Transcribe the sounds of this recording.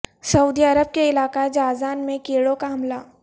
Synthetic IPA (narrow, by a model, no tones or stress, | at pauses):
sɐuːd̪iɐɾəb̚keɪlaːkad͡ʒaːzaːnmẽkeːɽokaɦɐmlaː